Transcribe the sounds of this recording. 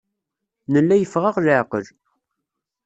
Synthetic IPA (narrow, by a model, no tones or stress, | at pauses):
nəlːæjəfʁaʁlʕqəl